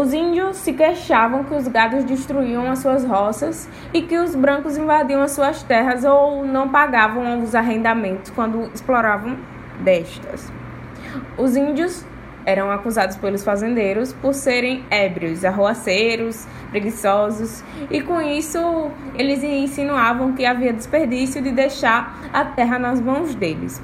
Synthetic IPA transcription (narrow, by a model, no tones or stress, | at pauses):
ʊzĩnd͡ʒ̪iʊsːɪkeʃavɐ̃w̃kɪʊzɡad̪ʊzd͡ʒiʃt̪ɾuiɐ̃w̃ɐsuɐzɦɔsɐs | ɪkɪʊzbɾɐ̃kʊzĩvad̪iɐ̃w̃ɐsuɐst̪ɛɦɐzownɐ̃w̃paɡavɐ̃w̃ãwɡũzaɦẽnd̪amẽnt̪ʊskwɐ̃nd̪ʊisplɔɾavɐ̃w̃ | d̪ɛʃt̪ɐ̰s | ʊzĩnd͡ʒ̪jʊz | ɛɾɐ̃w̃akuzad̪ʊspelʊsfazẽnd̪ejɾʊspoɾseɾẽj̃ɛbɾiʊzaɦoaseɾʊs | pɾeɡisɔzʊs | ɪkõisʊelɪzĩsĩnuavɐ̃w̃kɪaviɐd̪espeɾd̪isjʊd̪ɪd̪ejʃaɾ | at̪ɛɦɐnɐzmɐ̃w̃zd̪elɪ̰s